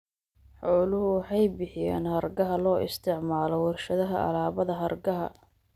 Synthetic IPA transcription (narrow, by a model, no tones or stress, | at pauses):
ħɔːlʊhʊwɑħɑjbɪħɪjɛ̰ːnhɐrɡɐɦɐlɔːʔɪ̰st̪ʰɪʕmaːlɔwɐrʃɐðɐɦɐʔɐ̰laːβɐðɐɦɐrɡɐɦɐ̰